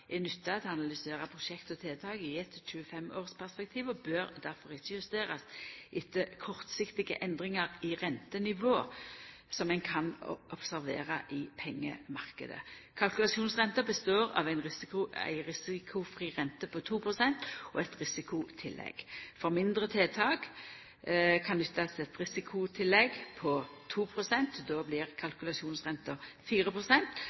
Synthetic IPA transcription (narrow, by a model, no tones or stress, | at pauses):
ʔɛnʉt̪ːət̪ʰɑnɑlʏseːɾəpʰʁʊʃɛkt̪ɔt̪ʰeːt̪ʰɑːɡəɪɛt̪ʃʉːəfɛmoːʁspʰæʁspɛk̚t̪ʰiːʋɔbøːɾd̪æɾfɔɾɪt͡ʃːəjʉst̪eːʁɑsʔɪt̪ːəkʰɔʁt̪sɪkt̪ɪɡə̰ʔɛnd̪ʁɪŋəɾɪʁɛnt̪ənɪʋoː | sɔmːɛɪnkʰɑnɔpsæʁʋḛːʁɑʔɪpʰɛŋːə̰mɑʁkə̰d̪ə̰ | kʰɑlkʉlɑʃuːnsʁɛnt̪əbəst̪oːʁɑ̰ʋæɪnʁɪsʊæ̰ɪɾɪsɪkʰʊfʁiːʁɛnt̪əpʰɔt̪ʰuːpʁʊsɛnt̪ɔɛt̪ʁɪsɪkʊt̪ʰɪlːɛ̰ɡ̥fɔɾmɪnd̪ʁət̪ʰeːt̪ʰɑːk | kʰɑnd̪ɪt̪ʰːɑsɛt̪ʁɪsɪkʰʊt̪ʰɪlːɛɡpʰɔ | t̪ʰuːpʰɾʊsɛnt̪d̪oːblɪʁkʰɑlkʉlɑsuːnsʁɛnt̪əfiːɾəpʰʁʊsɛnt̪